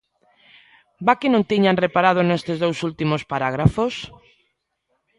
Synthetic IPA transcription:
bakɪnõŋt̪iɲanrepaɾað̞onest̪ezðowsult̪imospaɾaɣ̞ɾafos

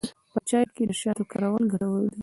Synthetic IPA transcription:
pət͡ʃɑjɾked̪əʃjɑt̪okɑɾawalɡʱaɽawəld̪i

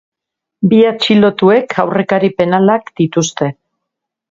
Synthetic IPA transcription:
biat͡ʃilo̞t̪ue̞kʰawre̞kaɾipe̞nalakd̪it̪ust̪e̞

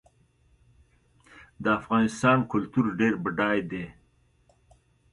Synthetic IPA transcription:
d̪əafɣɑnɪst̪ɑːnkʊlt̪uɾɖeɾbəɖɑjd̪e

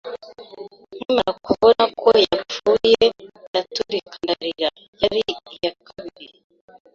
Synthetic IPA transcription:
nimaɾakuβonakʰojafuːjendatuɾikʰandaɾiɾa | jaɾiijakʰaβiɾi

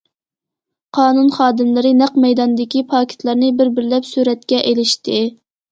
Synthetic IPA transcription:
qʰɑːnunχɑːd̪ɨmlˠɨɾɨnæqmɛjd̪ɑnd̪ɪkʲipʰɑːkʰʲɪ̥t̪ʰlˠɑɾnɨbɪɾbɪɾlɛpsyɾɛt̪kʲɛʔelɪʃt̪ɪ

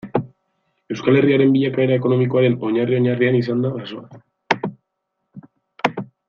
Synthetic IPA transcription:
e̞wskale̞riaɾe̞mbiʎakae̞ɾaeko̞no̞miko̞aɾe̞no̞ɲario̞ɲarianisand̪aɣaso̞a

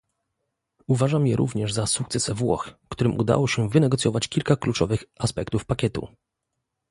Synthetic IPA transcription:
uvaʐamjɛɾʔṵvɲɛʐzasukt̪sɛsɛvwɔ̰xkt̪uɾɘmʔud̪a̰wɔɕɛvɘnɛɡɔt̪sʲjɔvat͡ɕkʲilkaklut͡ʂɔvɘxaspɛkt̪ufpakʲɛt̪ṵ

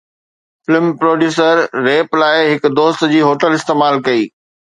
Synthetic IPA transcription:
fɪlɪmpɾoːɖjuːs̬əɾːeːplaːɪɦɪkd̪oːst̪d͡ʑiːɦoːʈəlɪst̪eːmaːlkɐiː

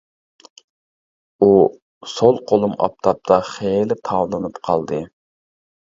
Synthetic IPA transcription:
u | solˠqʰolˠumɑ̰p̚t̪ʰɑp̚t̪ʰɑχelɪt̪ʰɑwlˠɨnɨpqʰɑlˠd̪ɨ

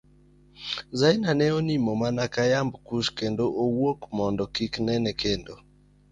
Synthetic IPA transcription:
zajnanɛonimomanakajambkuʃkendoʔowokmɔndɔkiknɛnɛkʰendo

